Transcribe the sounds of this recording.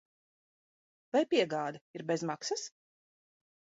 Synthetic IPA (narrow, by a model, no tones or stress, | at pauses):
vajpʲiɛɡaːd̪ɐiɾbezmaksas